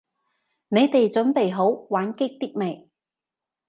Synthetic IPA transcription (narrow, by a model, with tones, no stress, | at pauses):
ne˨˧jt̪e˨jt͡ʃɵ˨˥npe˨jɦo˨˥wwaː˨˥nkɪ˥k̚t̪i˥k̚me˨˩j